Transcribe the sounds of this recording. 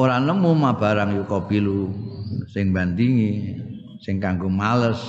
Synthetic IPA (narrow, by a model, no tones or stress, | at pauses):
oɾanəmumab̥a̤ɾaŋjukɔb̥ilu | sɪŋband̪iŋi | sɪŋkaŋɡomaləs